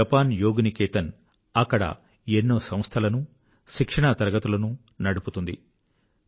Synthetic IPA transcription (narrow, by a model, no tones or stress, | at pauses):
ɐpaːnjoːɡnikeːt̪ɐn | ɐkːɐɽɐ̰ | enːoːsɐm̃st̪ʰɐlɐnu | ʃikʂɐɳat̪ɐɾɐɡɐt̪ulɐnu | nɐɽuput̪und̪ḭ